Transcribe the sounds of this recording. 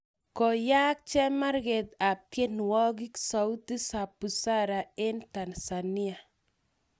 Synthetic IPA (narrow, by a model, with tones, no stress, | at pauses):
kɔ˨ja˦k̚t͡ʃɛ˦ma˦ɾɡe˨t̪a˨pje˦n˨wɔ˦ɡi˦ksa˨u˦t̪i˦sa˨pu˨sa˦ɾa˨e˦nt̪a˨nsa˨ni˦a˨